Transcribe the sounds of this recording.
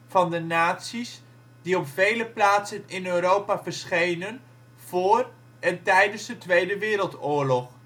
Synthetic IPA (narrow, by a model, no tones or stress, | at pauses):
v̥ɑndənaːtsis | d̥iɔpv̥ejləplaːtsənɪnøːɾowpaːvəɹsχejnən | v̥ʊːr | ɛntɛjdənzdətʋejdəʋɪːɾəlˠtʊːɹlɔχ